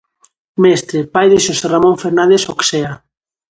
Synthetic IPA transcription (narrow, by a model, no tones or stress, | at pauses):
mest̪ɾepajðeʃoseramõɱfeɾnãnd̪esoksea